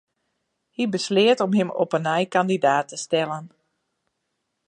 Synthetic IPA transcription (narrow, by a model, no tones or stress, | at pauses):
hibəslɪətɔmɦɪmo̰pənɛjkandidaːtəstɛlən